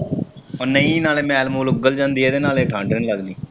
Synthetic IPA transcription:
oːnəĩːnaːleːmɛ̃ːlmuːlʊɡəld͡ʒãːnd̪iːeːd̪eːnaːleːʈʰãːɳɖənləɡniː

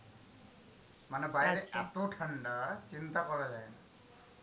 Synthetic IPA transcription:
manɛbajdɛat̪oʈʰaɳɖat͡ʃint̪akɔɹazajna

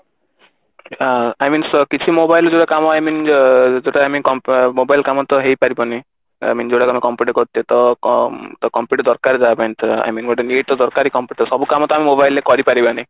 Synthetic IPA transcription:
aajminsɔkit͡ʃʰimobajlɔd͡ʒeɽakamɔajmind͡ʒeaamikɔmpmobajlkamɔt̪ɔɦejpaɾipɔni | a̰jmind͡ʒeɽakamikɔmpuʈkɔɾt̪iet̪ɔ | t̪ɔkɔmpjuʈd̪ɔɾkaɾd͡ʒabenʈʰa̰jminɡɔʈeneʈɔd̪ɔɾkaɾikɔmpjuʈsɔbukamɔt̪ɔamimobajlekɔɾipaɾibanaj

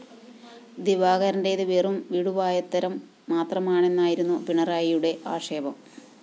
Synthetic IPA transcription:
d̪iʋaːɣɐɾɐndeiðɨʋeːrumʋiɽuʋaːjɐt̪ːɐɾɐmː | aːt̪rɐmaːɳe̞nːaːjiɾunːupiɳɐraːjijuɽe̞ʔaːʂeːbɐm

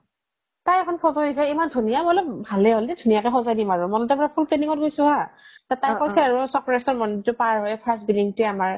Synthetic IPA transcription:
tajɛkʰɔnpʰɔtɔɦis̬ɛimandʱunijamɔlɔbʱalɛɦoldɛdʱunijakɛxɔzajdimaɹʊmɔnɔtɛbɹapʰulpleniŋɔt̚ɡojsʊ̃ɦatatajɔjsɛaɹusɔpɹasɔmɔnditʊpaɹɦɔjɛpʰaɹsbiliŋtʊɛamaɹ

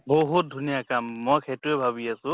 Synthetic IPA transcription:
boɦut̚dʱunijakamːɔjkʰetʊɛbʱaβiasʊ̃

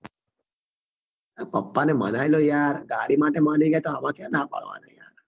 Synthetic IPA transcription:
pəpːanemə̰najlojaɾɡaɽimaʈemaniɡajt̪oamãkjãnapə̰ɭʋa̰na̰ja̰ɾ

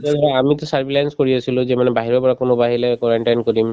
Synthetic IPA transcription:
ɔaamitʊsaɹbilajnskoɹiasʰilʊzɛmanɛbaɦiɹɔpɔɹakonobaɦilɛkɔɹaɳʈajnkoɹim

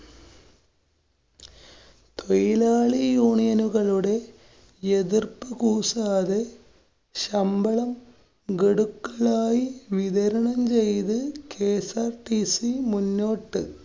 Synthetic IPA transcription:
t̪ʰojilaːɭijuːɳijɐnuɣɐɭuɽe̞ | eðirpɨkuːsaːðe | ɕɐmbɐɭɐm | ɡeɽukːɐɭaːjiʋiðɐɾɐɳɐmt͡ɕe̞jt̪ɨkeːsaːrʈisimunːoːʈːɨ

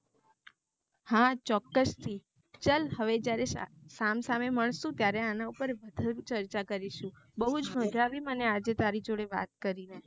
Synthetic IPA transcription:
hat͡ʃɔkːəst̪ʰi | t͡ʃəlɦəʋed͡ʒjaɾesamsameməɳ̃sũt̪jaɾeanaupəɾʋəd̪ʱaɾũt͡ʃəɾt͡ʃakəɾiʃũ | bəɦud͡ʒmʱə̃d̪ʱɾaʋimənead͡ʒet̪aɾid͡ʒoɽeʋa̰t̪̚kəɾine

